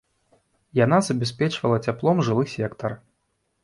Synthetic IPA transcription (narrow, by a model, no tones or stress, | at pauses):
janazɐbʲɛspʲɛt͡ʂvɐlˠɐt͡sʲaplˠɔmʐɨlˠɨsʲɛkt̪ɐr